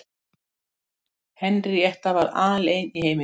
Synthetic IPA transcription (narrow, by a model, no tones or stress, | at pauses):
hɛnrɪɛht̪avaɾa̰ːðaleːjniheːjmɪ